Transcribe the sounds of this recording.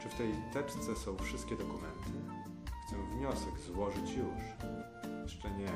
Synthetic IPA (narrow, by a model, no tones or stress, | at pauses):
t͡ʂɘft̪ɛjt̪ɛpst̪sɛsɔ̃w̃fʂɘst̪kʲɛd̪ɔkumɛnt̪ʰɘ | ft̪ɘmvɲɔsɛɡzwɔʐɘt͡ɕjuʂ | jɛʂt͡ʂɛɲɛ